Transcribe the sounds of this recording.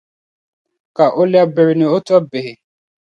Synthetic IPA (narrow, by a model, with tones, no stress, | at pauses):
ka˨ʔo˦lja˦be˨ɾi˨ne˨o˦ta˦be˨ɦe˨